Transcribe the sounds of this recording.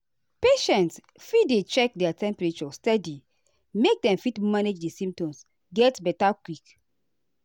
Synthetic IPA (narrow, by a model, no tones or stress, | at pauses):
peʃɛ̃nts | fidet͡ʃɛk̚dɛatɛ̃mpɛɹet͡ʃɔstɛdi | mek̚dɛ̃mfitmaned͡ʒdesĩmp̚tɔ̃ms | ɡɛtbɛtakwik